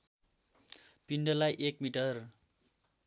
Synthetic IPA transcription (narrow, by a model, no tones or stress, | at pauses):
pinɖʌlajʔekmiʈʌr